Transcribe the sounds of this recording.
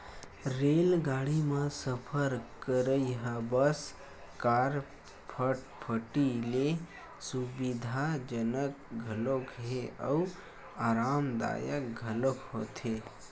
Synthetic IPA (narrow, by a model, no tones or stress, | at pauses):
ɾelɡaɽimesəpʰəɾkəɾəjɦəbəs | kaɾ | pʰəʈ | pʰəʈile | subid̪ʱad͡ʒənəkɡʱəlokɦeəu | aːɾaːmd̪a̰jəkɡʱəlokɦot̪e